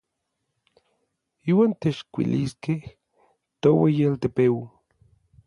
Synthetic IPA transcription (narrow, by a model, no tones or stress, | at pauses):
iːwaːnt̪eʃkʷḭliskeh | t̪owejalt̪epewi